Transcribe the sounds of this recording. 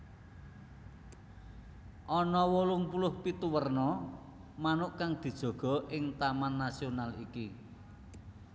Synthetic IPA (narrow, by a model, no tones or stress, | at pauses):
ʔɔnɔwolʊŋpulʊhpit̪uwərnɔ | manʊʔkaŋd̪̥i̤d̥ʒ̥ɔ̤ɡ̥ɔ̤ʔɪŋt̪amanːasionalḭki